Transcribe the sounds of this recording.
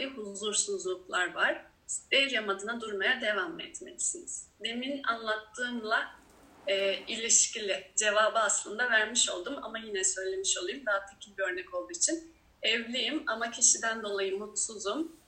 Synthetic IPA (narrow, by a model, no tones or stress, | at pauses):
iɦuzuɾsuzlˠuklˠaɾvaɾ̥ | st̪eɾjamad̪ɯnad̪uɾmajad̪e̞vamɛ̰t̪me̞̰li̥siniz̥d̪emina̰nlˠat̪ːɯːnlˠaː | ilʲiʃcilʲɪd͡ʒe̞vaːbɯaslˠɯnd̪avæɾmiʃo̞lˠd̪uma̰majinɛsø̞jlʲe̞miʃo̞lˠujumd̪aːt̪ʰecʰilʲbiø̞ɾnɛco̞lˠd̪uːit͡ʃʰin | ɛvlʲejimamacʰiʃid̪ænd̪o̞lˠajɯmːut̪suzum